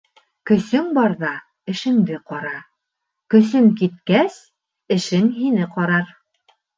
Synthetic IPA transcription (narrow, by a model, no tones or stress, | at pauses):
kɵ̆sɵŋbɑɾðɑ | ɘ̆ʃɘ̆ŋd̪ɘqɒɾɑ | kɵ̆s̬ɵŋkit̪̚kæs | ɘ̆ʃɘŋɦinɘqɑɾɑɾ